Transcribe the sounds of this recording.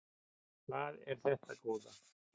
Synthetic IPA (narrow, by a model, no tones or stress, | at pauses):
θaðɛɾ̥θɛht̪akɔːða